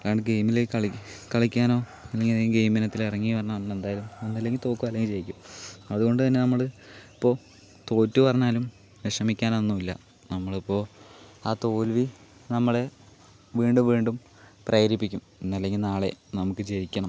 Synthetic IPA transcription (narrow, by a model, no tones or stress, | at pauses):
kaːɳɖɨɡe̞jmileɐɭkɐɭikʲːaːno̞ːɐlːeŋɡiɡejminɐt̪ːilirɐŋːijpɐrɐɲːɐnɐmːɐɭe̞nd̪aːjɐlumenːɐlːe̞ŋɡilt̪o̞ːkːuɐlːeŋɡilt͡ɕe̞jikʲːumɐðuɣo̞ɳɖɨt̪ɐnːe̞nɐmːɐɭipːo̞ː | t̪o̞ːtːupɐrɐɲːaːlum | ʋekʂɐmikʲːaːnonːumilːɐ̰ | nɐmːɐɭipːo̞ːaːt̪o̞ːlʋinɐmːɐɭe̞ | ʋiːɳɖumʋiːɳɖum | prɐjɐɾipːikʲːumenːɐlːeŋɡilnaːɭe̞nɐmukːɨt͡ɕeɾikʲːɐɳɐm